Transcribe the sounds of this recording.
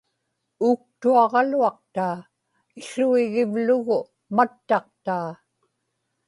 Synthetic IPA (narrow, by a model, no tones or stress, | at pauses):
uːk̚t̪uɑʁɑluɑq̚t̪aː | ɪɬuiɣɪvlʊɣʊ | mat̪ːɑq̚t̪aː